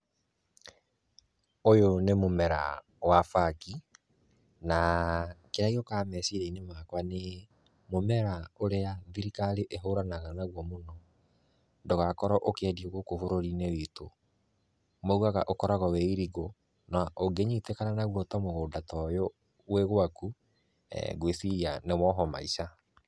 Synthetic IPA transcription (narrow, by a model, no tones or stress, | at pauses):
ojonemomɛɾa̰ | wafaki | nakeɾaiɾokaːmɛsiɾeinemakwane | momɛɾaoɾeaðiɾikaleʔeɦoɾanaɣanaɣwɔmonɔ | ndoɣakɔɾɔʔokeɛdioɣokofoɾoɾinewito | mɔuɣaɣaʔokɔɾaɣɔwɛiɾiɡo | naʔoɡeɲitekananaɣwɔtɔmoɣoːdatɔjɔ | weɣwaku | ɛ̰ɡweθiianemɔɦɔma̰isa